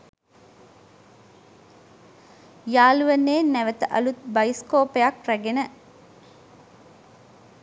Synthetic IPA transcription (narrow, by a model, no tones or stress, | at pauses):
jaːluʋənːeːnːæʋət̪əʔɐlut̪̚bɐjiskoːpejakræɡenə